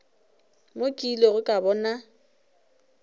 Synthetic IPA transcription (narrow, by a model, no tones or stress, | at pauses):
mokʼilɔɣʊkʼabɔːna